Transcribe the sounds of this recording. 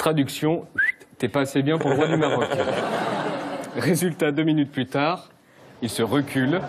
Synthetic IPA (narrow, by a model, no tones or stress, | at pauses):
t̪χad̪yksjɔ̃t̪yɛpaːsebjɛ̃puʁləʁwad̪ymaʁɔk | ʁezylt̪ad̪øminyt̪̚plyt̪aːʁ | ilsəʁəkʲyl